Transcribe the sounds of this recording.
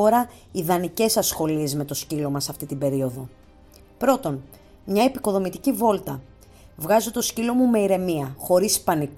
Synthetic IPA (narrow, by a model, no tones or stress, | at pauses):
oɾɐ | iðɐnice̞sɐsxo̞lie̞zme̞t̪o̞scilo̞mɐsɐft̪it̪ibe̞ɾio̞ðo̞ | pɾo̞t̪o̞n | mɲɐepiko̞ðo̞mit̪icivo̞lt̪ɐ | vɣɐzot̪o̞scilo̞mume̞iɾe̞miɐxo̞ɾispɐnik